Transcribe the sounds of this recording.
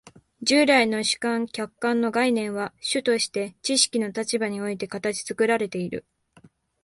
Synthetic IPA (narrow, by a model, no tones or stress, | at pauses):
d͡ʑɨːɾaino̞ɕɨ̥kãŋkʲakːãnːo̞ɡainẽ̞ɰ̃βaɕɨt̪o̞ɕi̥t̪e̞t͡ɕiɕi̥kʲino̞t̪at͡ɕibaɲ̟io̞it̪̬e̞kat̪at͡ɕi̥t͡sɨkɯ̟ɾaɾe̞t̪e̞iɾɯ̟̰